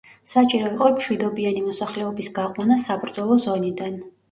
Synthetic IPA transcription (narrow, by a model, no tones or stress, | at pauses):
sat͡ʃʼiɾɔiqʼɔmʃwid̪ɔbianimɔsaχlɛɔbisɡaqʼwanasabɾd̪zɔlˠɔzɔnid̪an